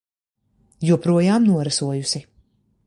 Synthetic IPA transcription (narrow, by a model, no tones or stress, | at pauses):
juɔpɾuɔjaːmnuɔɾasuɔjusi